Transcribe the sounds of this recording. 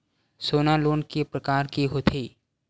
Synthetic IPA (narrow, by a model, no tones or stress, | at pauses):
soːnaloːnkipɾəkaːɾkiɦoːt̪ʰiː